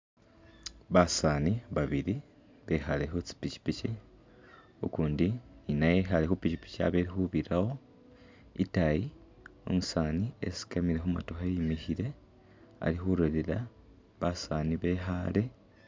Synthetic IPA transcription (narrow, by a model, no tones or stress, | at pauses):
βasaːniβaβiɾi | βe̞xale̞xut͡si̥pici̥pici | okuːndininajexalexupicipi̥cia̰βe̞ɾixuβiɾawo̞ | ḭtaji | o̰musaːniḛsi̥kamiɾe̞xuma̰to̞xejimiçiɾe̞ | a̰lixuɾolela | βasaːniβe̞ːxale̞